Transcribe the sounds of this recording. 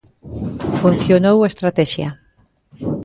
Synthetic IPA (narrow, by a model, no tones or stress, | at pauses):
fun̟θjonowest̪ɾat̪ɛʃjɐ